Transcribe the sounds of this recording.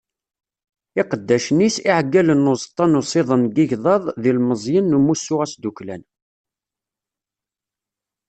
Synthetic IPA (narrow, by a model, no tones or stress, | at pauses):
ɪqəd̪ːæʃnisiʕɡːælənːozˤt̪ˤːɑnusˤɪðˤənɡiʝðˤɑðˤðilməzˤjənːumusːʊʁæsd̪uklæ̰n